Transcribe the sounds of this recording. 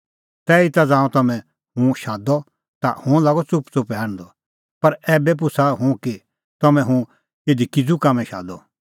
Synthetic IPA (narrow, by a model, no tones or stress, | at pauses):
t̪ɛːit̪ad͡zãːũt̪ɐmɛ̃ | ɦũʃaːd̪ɔ | t̪a̰hʊ̃laːɡɔt͡sʊpt͡sʊpɦɛːɽ̃d̪ɔ | pɐɾɛːbɛp̬ʊsʰaɦũki | t̪ɐmɛ̃ɦũ | eːd̪ikɪd͡zukamɛ̃ʃa̰ːd̪ɔ